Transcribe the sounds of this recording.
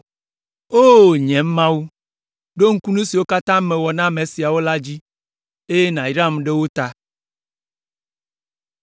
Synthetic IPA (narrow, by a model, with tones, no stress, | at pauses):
o˦ɲɛ̃˨m˦mã˦wu˦ | ɖo˦ŋ̩˦ku˦nũ˦si˨wo˦ka˦t̪ã˦mẽ˨wɔ˨nã˦mẽ˨si˨a˨wo˦la˦d͡ʑi˦ | e˦je˦nã˨i˨ɾã˦mɖe˦wo˦t̪a˦